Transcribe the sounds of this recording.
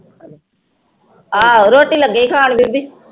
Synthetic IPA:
aːɾoːʈiːləɡəikʰaːɳ̃bib̪i

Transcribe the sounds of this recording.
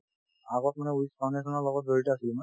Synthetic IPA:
aɡɔt̚manɛuiskʰɔnɛkʰɔnɔɹlɔɡɔt̚zoɹitɔasilmɔ

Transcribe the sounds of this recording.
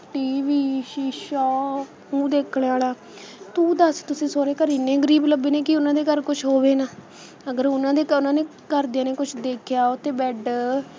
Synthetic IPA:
ʈiːʋiːʃiːʃɔː | ũːd̪eːkʰɽaːlaː | t̪ũːd̪əst̪ʊsĩːsoːɾeːkəɾɪnẽːɡəɾiːbləbeːnẽːkɪʊnãːd̪eːkəɾkʊt͡ʃʰɦoːʋeːnaː | əɡəɾʊnãːd̪eːʊnãːneː | kəɾd̪ijãːneːkʊt͡ʃʰd̪eːkʰɪjaːʊt̪ʰːeːbɛːɖ

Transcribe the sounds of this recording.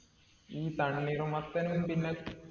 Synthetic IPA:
iːt̪ɐɳːiɾumɐt̪ːɐnumpinːe

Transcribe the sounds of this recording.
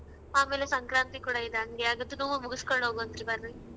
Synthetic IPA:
maːmeːlesɐŋkɾaːnt̪ikuːɽaid̪eɐŋɡeaɡɐt̪ːunuʋumuɡuskoɭɳɦoːɡoɐnt̪ɾibɐɾːi

